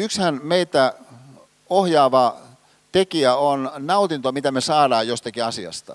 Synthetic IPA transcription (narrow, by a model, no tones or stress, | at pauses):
ykshænmeit̪æ | ohjɑːʋɑ | t̪ekiæonnɑut̪int̪omit̪æmesɑːɾɑːjjost̪ɑkiɑsiɑ̰st̪ɑ̰